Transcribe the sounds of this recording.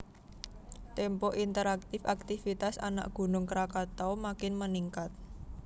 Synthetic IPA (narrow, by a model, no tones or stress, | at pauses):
t̪ɛmpɔʔint̪əɾak̚t̪ɪfak̚t̪ifit̪asa̰na̰ʔɡ̥ṳnʊŋkəɾakat̪ɔmakɪnməniŋkat̪̚